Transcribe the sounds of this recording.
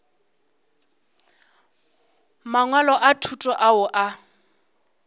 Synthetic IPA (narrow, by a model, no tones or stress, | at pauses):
maŋwalɔʔatʰutʼɔʔaʊʔa